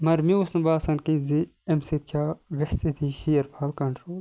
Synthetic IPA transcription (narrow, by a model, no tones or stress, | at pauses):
mɐɾmiusnɐbaːsɐnkĩziɐmsit̪̚kʰʲaːɡɐst͡sid̪ʰixijɐɾpʰalkɐɳʈɾoːl